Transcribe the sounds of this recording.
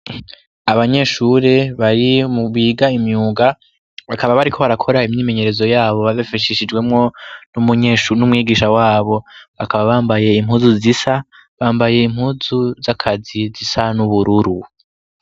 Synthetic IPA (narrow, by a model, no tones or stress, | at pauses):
aβaɲe̞ʃuːɾe̞βaɾimuβiːɡaimɲuːɡa | βakaβaβaɾikʰo̞βaɾakʰo̞ɾaimɲiːme̞ɲe̞ɾe̞zo̞jaːβo̞βaβafaʃiʃid͡ʒɡwe̞mŋo̞numuɲeʃunumŋiːɡiːʃawaːβo̞βakʰaβaβaːmbaje̞im̥ɦuzuzisa | βaːmbaje̞im̥huzuzakʰazizisanuβuɾuɾu